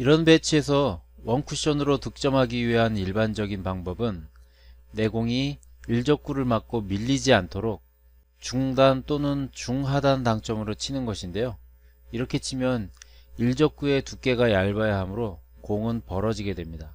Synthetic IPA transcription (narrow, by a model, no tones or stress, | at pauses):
iɾʌnbe̞t͡ɕʰie̞sʰʌwʌnkʰuɕ͈ʌnɯɾotɯk̚t͡ɕ͈ʌmɦaɡiɥiɦaniɭband͡ʑʌɡinpaŋbʌbɯnː | e̞ɡoŋiiɭd͡ʑʌk͈̚uɾɯɭmak̚k͈omiʎːid͡ʑiantʰoɾok̚ | t͡ɕuŋdant͈onɯnt͡ɕuŋɦadantaŋt͡ɕ͈ʌmɯɾot͡ɕʰinɯnɡʌɕʰinde̞jo | iɾʌkʰe̞t͡ɕʰimjʌniɭd͡ʑʌk͈̚ue̞tuk͈e̞ɡajaɭbajaɦamɯɾo | koŋɯnpʌɾʌd͡ʑiɡe̞dwe̞mɲida